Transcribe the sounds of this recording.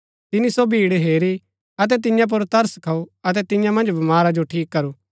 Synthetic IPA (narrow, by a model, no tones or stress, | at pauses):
t̪ɪnisobʱiːɽɦeːɾi | ɐt̪̬ɛt̪̬ɪ̃jãp̬ʊɾt̪ɐɾskʰɐuɐt̪̬ɛt̪ɪ̃jãmɐ̃nd͡ʒbɐmaːɾad͡ʒoʈʰiːkːɐɾuː